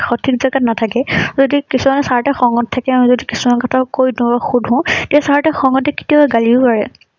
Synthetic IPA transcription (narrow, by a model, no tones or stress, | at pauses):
xɔtʰikzaɡatnatʰakɛzodikisumanɛsaɹtɛxɔŋɔttʰːakɛamizodikisumankɔtʰakojdũbaxudʱɦɔ̃ʊ̃tɛɛsaɹtɛxɔŋɔtɛki̥tiabaɡalibɔpaɹɛ̰